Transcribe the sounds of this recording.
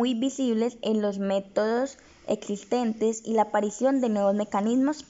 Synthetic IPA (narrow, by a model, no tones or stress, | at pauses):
ujbisiβle̞senlo̞zme̞t̪o̞ðo̞s | ḛksist̪e̞nt̪e̞silaːpaɾisjo̞nd̪e̞nwe̞βozme̞kanizmo̞s